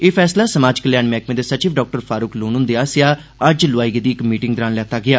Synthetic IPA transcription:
eːfʰɛːslaːsəmaːd͡ʒkəljaːnmɛːkmẽd̪esət͡ʃiːbɖɔːk̚ʈəɾpʰaːɾuːkloːnɦʊ̃ːnd̪eːaːsɪjaː | əd͡ʒlʊaːiɡed̪iːɪkmiːʈɪŋɡd̪əɾaːnlɛːt̪aːɡɪaː

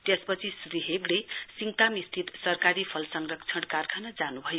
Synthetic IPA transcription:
t̪espʌt͡sʰisriɦeɡɽesiŋt̪amist̪ʰit̪sʌrkaɾipʰʌlsʌŋrʌkt͡sʰʌɽ̃karkʰanʌd͡zanubʱʌjo

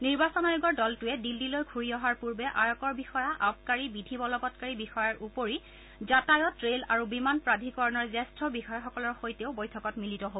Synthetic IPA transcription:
niɹbasɔnajuɡɔɹdɔltʊɛdildilojkʰuɹiɔɦaɹpuɹbɛʔajɔkɔɹbixɔjaʔap̚kaɹibidʱibɔlɔbɔtkaɹibixɔjaɹʔupoɹi | zatajɔtɹelaɹubimanpɹadʱikɔɹɔnɔɹzɛstɹɔbixɔjaxɔkɔlɔɹxojteʊbojtʰɔkɔtmilitɔɦo

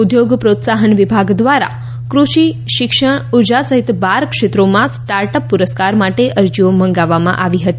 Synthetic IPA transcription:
ud̪joɡpɾot̪saɦənʋibʱaɡd̪ʋaɾa̰ | kɾuʃi | ʃɪkʃəɳuɾd͡ʒasəɦit̪baɾkʃet̪ɾomãsʈaɾʈəpːuɾəskaɾmaʈeʔəɾd͡ʒioməŋɡaʋːamã̰ʔaʋiɦət̪i

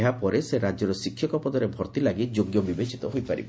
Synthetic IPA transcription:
ɦapɔɾeseɾad͡ʒɔɾɔsikʰːjɔkɔpɔd̪ɔɾebʱɔɾt̪ilaɡid͡ʒoɡjɔbibet͡ʃi̥t̪ɔɦojpaɾḭb

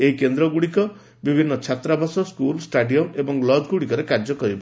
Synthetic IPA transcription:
eɦikend̪ɾɔɡuɽikɔ | bibʱinːʌt͡ʃʰat̪ɾabʱasɔskulsʈaɖijɔmebɔŋlɔd͡ʒɡuɽikɔɾekaɾd͡ʒɔkɔɾibɔ

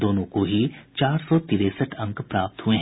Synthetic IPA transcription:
d̪oːnõkoɦit͡ʃaːɾsɔt̪iːɾesəʈʰɐ̃ŋkpɾaːp̚t̪ɦueɦ

